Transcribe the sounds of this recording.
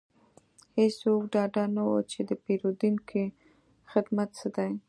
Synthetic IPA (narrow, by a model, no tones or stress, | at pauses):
hesokɖɑɖanawo̰t͡ʃed̪əpeɾod̪uŋkʰi | xɪd̪mat̪səd̪aj